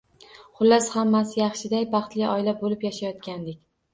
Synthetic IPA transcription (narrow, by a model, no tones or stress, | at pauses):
χʊlːashamːasɪjɑχʃɪd̪ajbɑχt̪lɪɒjlabolɪpjaʃajɒt̪kʲʰand̪ɪkʲ